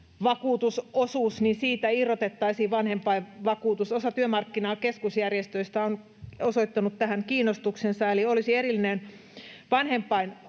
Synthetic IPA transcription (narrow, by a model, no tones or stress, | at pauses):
ʋɑkuːt̪usosuːsninsiːt̪æirːot̪et̪ːɑisiːʋʋɑnhempɑiʋɑkuːt̪usosɑt̪yømɑrkːinɑːkeskusjærjest̪øist̪æon | osoit̪ːɑnut̪t̪æhæŋkiːnːˑost̪uksensɑeliolisieɾilːinen | ʋɑnhempːˑɑin